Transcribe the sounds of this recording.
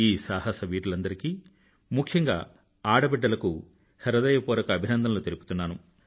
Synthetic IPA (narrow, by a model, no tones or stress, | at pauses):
iːsaːɦɐsɐʋiːʈulɐnd̪ɐɾikiː | mukʰjɐŋɡa̰ː | aːɽɐbɛɖːɐlɐku | hɐɾɐd̪ɐjɐpuːɾɐkɐːbʱinɐnd̪ʱɐnloːt̪eɾipu̥t̪unːaːnu